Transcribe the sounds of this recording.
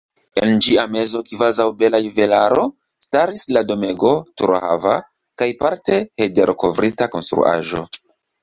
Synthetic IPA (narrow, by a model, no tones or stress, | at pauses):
end͡ʒiame̞zo̞kvazawbe̞lajuve̞laɾo̞ | staɾislado̞me̞ɡo̞tuɾha̰va | kajpaɾte̞hede̞ɾko̞vɾitako̞̰nstɾṵʔa̰ʒo̞̰